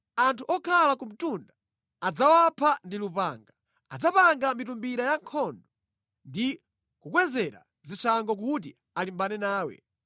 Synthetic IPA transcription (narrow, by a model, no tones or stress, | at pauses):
antʰuʔɔkʰalakum̩tunda | ad͡zawapʰandilupa̰ːŋɡa | ad͡zapaŋɡamitumbiɾajaŋkʰɔndɔ | ndi | kukwɛzɛɾa̰ | zit͡ʃʰaŋɡɔk̬ut̬i | alimbanɛnaːwɛ̰